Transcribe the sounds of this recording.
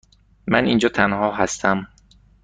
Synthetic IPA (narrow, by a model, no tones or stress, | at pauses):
mæniːnd͡ʒɒːt̪ʰænɦɒːɦæst̪ʰæm